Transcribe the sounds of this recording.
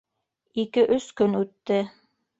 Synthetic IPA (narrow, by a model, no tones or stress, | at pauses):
ikɘʔɵskɵnʉt̪ːɘ